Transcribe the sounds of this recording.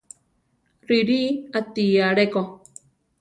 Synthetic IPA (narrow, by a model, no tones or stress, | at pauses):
ɾiɾiat̪iaɾeko